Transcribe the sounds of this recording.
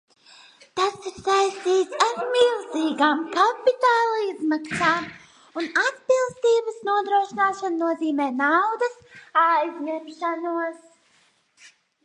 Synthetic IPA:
t̪asiɾsajst̪iːt̪saɾmilˠziːɡaːmkapit̪aːlˠizmaksaːm | unat̪pilˠst̪iːbəsnuɔd̪ɾuɔʃinaːʃannuɔziːmɛːnawd̪ɐsajzɲemʃanuɔs

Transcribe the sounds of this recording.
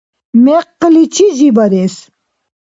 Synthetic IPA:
mɛqːəlit͡ʃʰizibɑɾɛs

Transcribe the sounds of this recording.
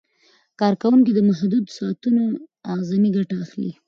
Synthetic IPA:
kɑɾkawuŋkid̪əmaɦd̪ud̪sɑt̪unoaɣzaniɡaʈaːxlḭ

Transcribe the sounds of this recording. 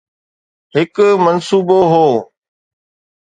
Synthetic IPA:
ɦɪkmənsuːboɦoː

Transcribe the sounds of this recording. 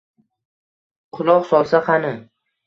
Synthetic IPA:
qʰʊlˠɒqsɒlˠsaχɑnɪ

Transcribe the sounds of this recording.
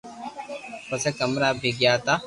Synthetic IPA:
pəseːkəmɾaːbʱiɡjaːt̪aː

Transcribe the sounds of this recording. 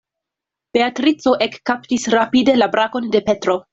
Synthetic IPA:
b̥e̞atɾit͡so̞ʔekːaptisɾapide̞labɾako̞nde̞pe̞tɾo̞

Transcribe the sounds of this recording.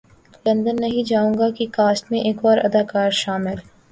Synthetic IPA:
lɐ̃nd̪ənːɐɦĩd͡ʒaːũːŋɡakikaːsʈmẽʔeːkbaːɾɐ̰d̪aːkaːɾʃaːmɪl

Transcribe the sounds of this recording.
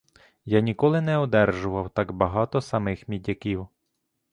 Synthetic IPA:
janʲikɔlˠɪnɛɔd̪ɛrʒʊʋɐwt̪ɑɡbɐɦɑt̪ɔsɐmɪxmʲidʲɐkʲiw

